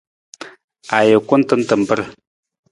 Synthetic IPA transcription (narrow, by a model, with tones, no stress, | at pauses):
a˨jə˨kʷu˦n˦tə˦ntə˨m˨bə˦ɾ